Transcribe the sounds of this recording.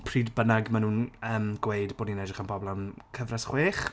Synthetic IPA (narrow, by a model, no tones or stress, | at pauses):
pʰriːdbənaɡmanũːnəːmɡwejdboːdninɛdrɪχanbɔblˠamkʰəvrasχweːχ